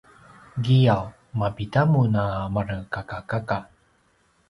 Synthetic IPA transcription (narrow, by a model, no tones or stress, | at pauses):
ɡijaw | mapitamunamaɾəkakakaka